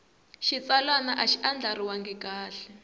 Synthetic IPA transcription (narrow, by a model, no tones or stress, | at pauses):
ʃit͡salanaʔaʃiʔand͡ɮaɾiwaŋɡɛkaːɬɛ